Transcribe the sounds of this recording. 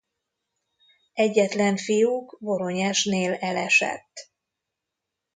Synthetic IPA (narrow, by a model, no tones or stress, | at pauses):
ɛɟːɛt̪lɛɱfijukbo̞ɾo̞ɲɛʃneːlɛlɛʃɛ̰t̪ː